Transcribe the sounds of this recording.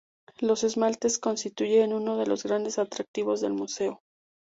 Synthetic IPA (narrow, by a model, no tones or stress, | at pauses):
lo̞se̞zmalt̪e̞sko̞nst̪it̪uʝeːnũno̞ð̞e̞lo̞zɣɾand̪e̞sat̪ɾak̚t̪iβo̞zðe̞̰lmuse̞o̞